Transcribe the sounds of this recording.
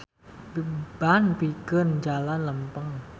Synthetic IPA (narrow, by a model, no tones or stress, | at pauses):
b̥anpikənd͡ʒalanləmpəŋ